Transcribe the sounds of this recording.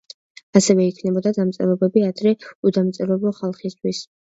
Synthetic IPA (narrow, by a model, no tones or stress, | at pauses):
asɛvɛikʰnɛbɔd̪ad̪amt̪sʼɛ̰ɾɔbɛbiad̪ɾɛud̪amt̪sʼɛɾɔbˠɔχalˠχist̪ʰwis